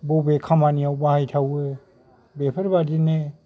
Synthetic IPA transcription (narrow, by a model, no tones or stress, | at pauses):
bobekʰamaniawbahajtʰawɯ | bepʰəɾbadine